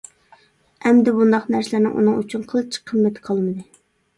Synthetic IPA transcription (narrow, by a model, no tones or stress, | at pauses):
ɛmd̪ɪbund̪ɑqnæɾsɪlɪɾnɪ̰ŋʔṵnɨŋyt͡ʃʰynqʰəlˠt͡ʃʰi̥qʰəmːɛt̪ʰqʰɑlˠmɨd̪ɨ